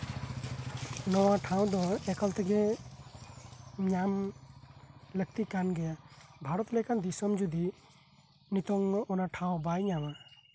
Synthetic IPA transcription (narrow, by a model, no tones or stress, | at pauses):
nɔwãʈʰãw̃d̪ɔekəlt̪ɛɡɛ̃ | ɲaːm | lək̚t̪ikanɡɛjabʱaːɾɔt̪lekand̪isɔmd͡ʒud̪ʱi | nit̪ɔŋɔnãʈʰãw̃baːjɲaːʋã